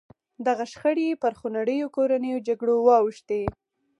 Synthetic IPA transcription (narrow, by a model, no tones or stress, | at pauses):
d̪aɣaʃxəɽepəɾxonaɽəjokoɾanəjod͡ʒaɡɽowɑwʃt̪e